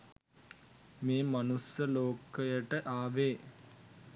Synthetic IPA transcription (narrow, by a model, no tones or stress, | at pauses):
meːmanusjəloːkəjəʈəʔaːʋeː